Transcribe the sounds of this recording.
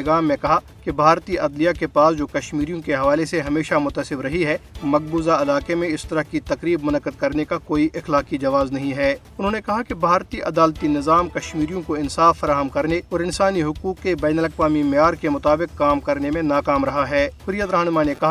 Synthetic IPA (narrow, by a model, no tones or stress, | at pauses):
ɡaːmːẽkɐɦa | kebʱaːɾt̪iʔɐd̪lijakepaːsd͡ʒoːkɐʃmiːɾijõkeɦɐʋaːleseɦɐmeːʃamʊt̪əsɪbɾɐɦiɦɛːmɐk̚buːzaɐlaːqemẽɪst̪ɐɾəɦkit̪ɐqɾiːbmʊnɐqːəd̪̚kɐɾnekakoːiʔɪxlaːkid͡ʒɐʋaːznɐɦĩɦɛːʊnɦõnekɐɦakebʱaːɾt̪iʔɐd̪aːlt̪inɪzaːmkɐʃmiːɾijõkoɪnsaːfːɐɾaːɦəmkɐɾneɔːɾɪnsaːniɦʊkuːkːebɛːnəlɐqʋaːmimɪjaːɾkemʊt̪aːbɪqːaːmkɐɾnemẽnaːkaːmɾɐɦaɦɛːhʊɾijət̪ɾɐɦnmanekɐɦa